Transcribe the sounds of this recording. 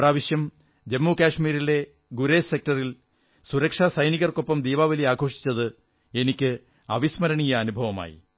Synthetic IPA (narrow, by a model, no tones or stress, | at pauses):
praːʋiɕjɐm | d͡ʑemːuːkaːʂmiːɾile̞ | ɡuɾeːse̞k̚tɐril | suɾɐkʂaːsɐjniɣɐrko̞pːɐmd̪iːʋaːʋɐliaːɡʱo̞ːʂi̥t͡ɕːɐðɨ | e̞nikʲːɨ | ɐʋismɐɾɐɳijɐːnubʱɐʋɐma̰ːjḭ